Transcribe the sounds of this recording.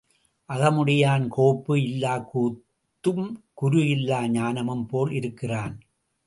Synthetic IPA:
ʔɐɣɐmʊɽɪjaːnkoːpːɯɪlːaːkuːt̪ːɯmkʊɾʊjɪlːaːɲaːnɐmɯmpoːlɪɾɯkːɪraːn

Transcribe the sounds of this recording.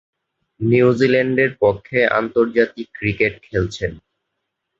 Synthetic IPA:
niud͡ʑilɛɳɖeɾpokʰːea̰nt̪oɾd͡ʑat̪ikːɾikeʈ̚kʰelt͡ɕʰen

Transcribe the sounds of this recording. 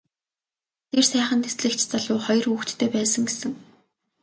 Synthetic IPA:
t̪ʰersæːχə̆nt̪ʰesɮɘ̆kt͡ɕʰt͡saɮʊːχɔjɞ̆ruːxt͡ɕ̪tʰːeːpæːsə̆ŋɡesɘ̆ŋ

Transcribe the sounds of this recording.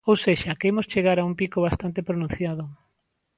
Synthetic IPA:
owseʃakeemost͡ʃeɣaɾaumpikoβast̪ant̪epɾonũn̟θjaðʊ

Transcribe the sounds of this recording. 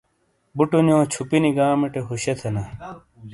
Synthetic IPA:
buʈunjõːt͡ɕʰupiniɡaːmeʈeɦuɕet̪ʰenɐ

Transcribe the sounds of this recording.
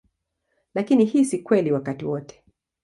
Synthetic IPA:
lakinihisikwɛliwakatiwɔtɛ̥

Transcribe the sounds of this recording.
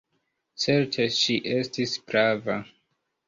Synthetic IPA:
t͡se̞ɾtʰeʃiʔe̞stispɾava

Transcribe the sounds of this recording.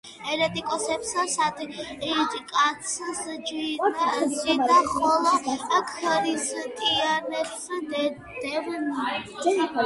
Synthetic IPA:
ɛɾɛt̪ʼikʼɔsɛpsasad̪ɛd̪kʼat̪sʰsd͡ʒwinsid̪aχɔlˠakʰɾist̪ʼianɛts | d̪̥ɛvni

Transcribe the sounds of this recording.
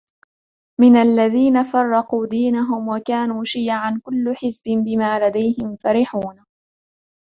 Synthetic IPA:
mɪnalːaðiːnafɑrˤːɑquːd̪iːnaɦʊmwakaːnuːʃɪjaʕankʊlːʊħɪsbɪmbɪmaːlad̪ajhɪmfaɾɪħuːn

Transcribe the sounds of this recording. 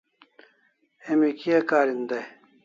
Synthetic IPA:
emikiɐkaːɾind̪ɐj

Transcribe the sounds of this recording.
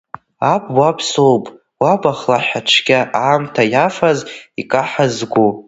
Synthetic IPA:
abwapʰsowpʼ | wabaχlaħaʈ͡ʂʷʰɡʲaʔaːmtʰajafazikʼaħazɡʷu

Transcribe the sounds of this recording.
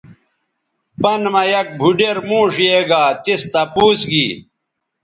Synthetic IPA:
pɐnmɐjɐk̚bʱuɖeɾmũːʂjeːɡaːt̪ist̪ɐpuːsɡiː

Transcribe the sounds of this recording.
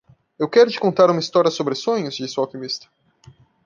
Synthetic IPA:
ewkɛɾʊd͡ʒɪ̥kõnt̪aɾũmɐist̪ɔɾiɐsobɾɪsõɲʊzd͡ʒisɪawkimist̪ɐ̥

